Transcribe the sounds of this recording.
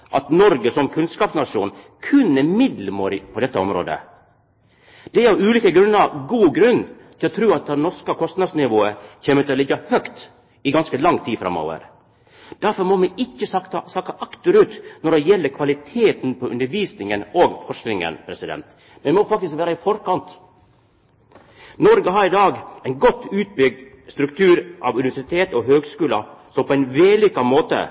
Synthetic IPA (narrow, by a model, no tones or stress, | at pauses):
ʔɑt̪nɔɾɡəsɔmkʰʉnskɑːpsnɑʂuːn | kʰʉnːəmɪd̪ləmoːɾɪpʰɔd̪ɛt̪ːəɔmɾo̰ːd̪ə̰ | d̪̥ɛæɾʉːliːkəɡɾʉnːəɾɡuːɡɾʉnːt̪ʰɪlɔt̪ʰɾʉːɑt̪̚d̪ɛnɔɾʂkəkʰɔst̪nɑd̪snɪʋoːəçeːmət̪ɪɔlɪɡːəhœkt̪ | ɪɡɑnskəlɑŋt̪ʰiːfɾɑ̰mːo̰ːʋə̰ɾ | d̪̥æɾfɔɾmɔmɛʔɪçːəsɑt̪ɑsɑːkɑʔɑkt̪ʉɾʉːt̪nɔɾd̪ɛjɛlːəɾkʰʋɑlɪt̪ʰeːt̪npʰɔʔʉnd̪əɾʋiːsnɪŋənoːɡfɔʂknɪŋə̰npʰɾɛsɪd̪ɛ̰nt̪ | mɛnmɔfɑk̚t̪ɪskʋæːɾəɪfɔɾkɑnt̪ | nɔɾɡəɦɑɾɪd̪ɑːɡæɪnɡɔt̪ːʉːt̪̚bʏɡ̚d̪ | st̪ɾʉk̚t̪ʰʉːɾʔɑ̰ʋʉnɪʋæʂɪt̪ʰeːt̪ɔɦøːɡskʉːlə̰sɔmpʰɔæɪnʋeːlʏkːɑmoːt̪ə̰